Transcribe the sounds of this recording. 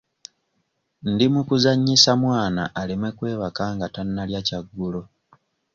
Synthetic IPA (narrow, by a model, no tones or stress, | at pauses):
ndimukuzaɲːisamwaːnaʔːlimwe̞kwe̞ːβakaːŋɡatanːaljacaɡːulo̞